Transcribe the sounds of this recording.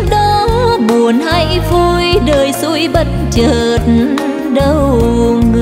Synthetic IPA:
ɗɔ˨˦ɓu˨˩ənha˧˥˨jvu˧˩jɗəː˨˩jsu˧˥jɓə˧˩t̚t͡ɕəː˨˩t̚n | ɗə˧˩wŋ˨

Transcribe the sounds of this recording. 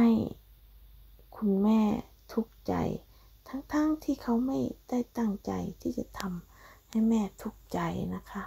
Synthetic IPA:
ha˧˥˩j | kʰu˧nmɛː˧˩ | t̪ʰu˧˥k̚t͡ɕa̰˨˩j | t̪ʰa˦˧˥ŋt̪ʰaː˧˥˨ŋt̪ʰiː˧˩kʰa˧˩wma˥˩jt̪a˧˥˩jt̪a˧˩ŋt͡ɕa̰˨jt̪ʰiː˧˩ka˧˩t̪ʰa˧mha˧˥˩jmɛː˧˩t̪ʰu˧˥k̚t͡ɕa˨jna˧˩kʰa˧˥ʔ

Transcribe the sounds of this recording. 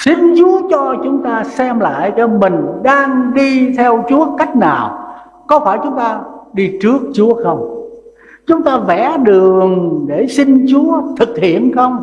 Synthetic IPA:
si˧ŋ̟t͡ɕu˨˦ət͡ɕɔ˧t͡ɕʊ˨˦ŋ͡mt̪aː˧sɛ˧mla̰ː˧˨jt͡ɕɔ˧mï˨˩ŋ̟ɗaː˧ŋɗi˧t̪ʰɛ˧wt͡ɕu˨˦˥əka˦˥jk̟̚naː˨˩w | kɔ˨˦faː˧˩jt͡ɕʊ˨˦ŋ͡mt̪aː˧ɗi˧t͡ɕɨ˦˥ək̚t͡ɕu˨˦əxə˧wŋ͡m | t͡ɕʊ˨˦ŋ͡mt̪aː˧vɛ˧˩ɗɨ˨˩əəŋɗe˧˩si˧ŋt͡ɕu˨˦ət̪ʰɨ˨˩k̚hi˧˩˨ənxə˧wŋ͡m

